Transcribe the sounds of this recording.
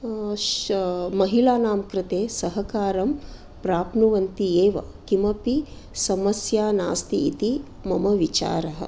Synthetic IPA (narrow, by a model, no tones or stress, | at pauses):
mɐɦilaːnaːmkɾɪt̪eːsɐɦɐkaːɾɐm | pɾaːpnuʋɐnt̪ieːʋɐ̰kimɐpi | sɐmɐsjaːnaːst̪iit̪i | mɐmɐʋit͡ʃa̰ːɾɐɦɐ̰̆